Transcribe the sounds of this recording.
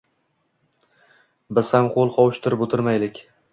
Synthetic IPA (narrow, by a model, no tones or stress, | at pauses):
bɪz̥hamqʰolˠqʰɒwɪʃt̪ʰɪɾɪpot̪ʰɪɾmajlɪkʲ